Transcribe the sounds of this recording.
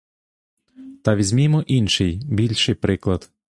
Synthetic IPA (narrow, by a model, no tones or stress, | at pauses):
t̪aʋʲizʲmʲimɔʔinʃejbilʲʃɨjpɾɪklˠat̪